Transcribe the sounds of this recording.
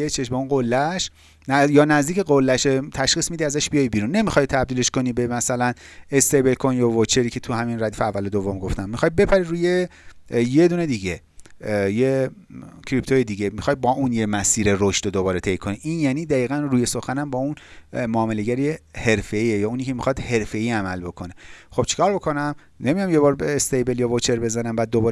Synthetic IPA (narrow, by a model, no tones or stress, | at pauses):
et͡ʃʰeʃbeũnɢolːæʃ | njɒːnæzd̪iːceɣolːæʃet̪ʰæʃxiːsmid̪iæzæʃb̥ijɒjbiːɾunːe̞mixɒːjt̪ʰæb̚d̪iːle̞ʃko̞niːbemæsælænest̪ejbelkʰonjɒvot͡ʃʰeɾiːcʰe̞t̪ʰuhæminræd̪iːfeævːælod̪ovːomɡo̞ft̪æmːixɒːjbe̞pʰæɾiɾuːje | je̞d̪uːned̪iɟe̞ | je | cʰɾipt̪ʰojed̪iːɟemixɒjbɒːʔunjemæsiːɾe̞ɾoʃt̪od̪obɒːɾe̞t̪ʰejkʰo̞niʔinjæːniːd̪æiːɣænruːje̞so̞xænæmbɒːun | moːmele̞ɟæɾiehe̞ɾfe̞iejɒːuːniːcʰemixɒd̪̥he̞ɾfe̞iːæmælbo̞kʰo̞ne̞xo̞b̥t͡ʃʰi̥kʰɒːɾbo̞kʰo̞næm | nemijɒmjebɒːɾbest̪ejbeljɒːvot͡ʃʰe̞ɾbe̞zænæmbæːd̪̚ːobɒːɾ